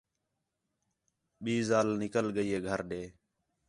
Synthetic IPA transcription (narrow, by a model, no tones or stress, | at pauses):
ɓiːzaːlnɪkəlɡəiːɦeːɡʱəɾɗeː